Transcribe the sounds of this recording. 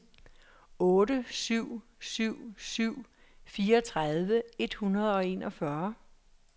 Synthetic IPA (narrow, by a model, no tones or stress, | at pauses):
ɔ̽ːɾəsyʊ̰ | syʊ̰syʊ̰ | fiːɐɒt͡sʰʁaðˠʋəe̝d̥hunʁɐð̞̩ˠɒ̽e̝nɒ̽fɶɐ